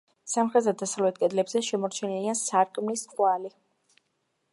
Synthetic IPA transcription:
samχɛzad̪asavlɛt̪̚kʼɛd̪lɛbzɛʃɛmɔɾt͡ʃʰɛnɛliansaɾkʼmlisqʼwali

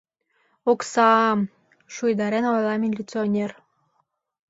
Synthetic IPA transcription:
oksɑm | ʃujd̪ɑɾenojlˠɑminʲlʲit͡sonʲer

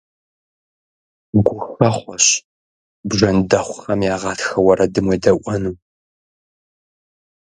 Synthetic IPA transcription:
ɡʷʊxʷɐχʷɔɕ | bʒɐndɐχʷʊxɐmjaːʁɑːtxɐwɐɾɐdɨmweːdɐʔʷɔnuː

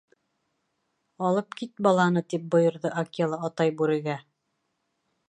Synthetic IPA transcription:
ɑlˠɤp̚kit̪̚bɑlˠɑnɤt̪ip̚bŏjɤ̆ɾðɤʔakʲelˠɑːt̪ɑjbuɾɘ̆ɡæ

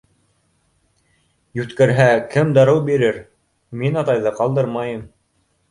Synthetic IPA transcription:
jʉt̪kæɾɦækɘmd̪ɑɾɤwbiɾɘɾ | minɑt̪ɑjðɤqɑlˠd̪ɤɾmɑjɤm

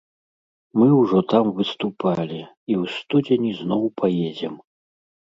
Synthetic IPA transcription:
mɨwʐɔt̪amvɨst̪upʰalʲi | iwst̪ud͡zʲenʲiznɔwpʰajed͡zʲɛm

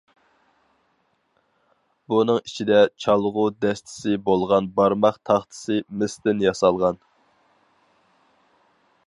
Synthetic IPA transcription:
bunɨŋit͡ʃʰid̪ɛt͡ʃʰɑlˠʁʊd̪ɛst̪ʰɪ̥sɪbolˠʁɑnbɑɾmɑχt̪ʰɑχt̪ʰɨ̥sɨmɪst̪ɪnjɑsɑlˠʁɑn

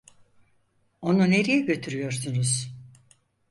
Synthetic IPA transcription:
o̞nune̞ɾijɛɟø̞t̪ʰyɾyjo̞ɾsunuz̥

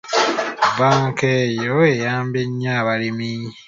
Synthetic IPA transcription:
baːŋkeːjoejaːmbeɲːaːβalimi

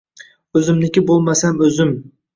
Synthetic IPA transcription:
ɵzɪmnɪkʲɪbolˠmasamɵzɪm

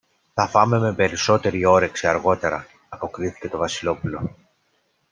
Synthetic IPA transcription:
θɐfɐme̞me̞pe̞ɾiso̞t̪e̞ɾio̞ɾe̞ksiɐɾɣo̞t̪e̞ɾɐː | po̞kɾiθi̥ce̞t̪o̞vɐsilo̞pulo̞

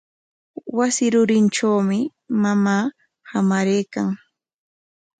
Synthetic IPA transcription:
wasɪɾʊɾɪnʈ͡ʂawmɪ | mamaː | hamaɾejkaŋ

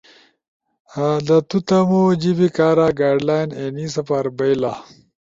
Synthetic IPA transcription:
ad̪ɐt̪ut̪ɐmod͡ʑibikaːɾaɡaːɖlaːjnenisɐpaɾbejla

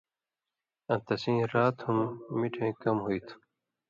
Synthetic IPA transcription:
ɐ̃t̪ɐsĩːɾaːt̪humːiʈʰẽːkɐmɦoit̪ʰu̥

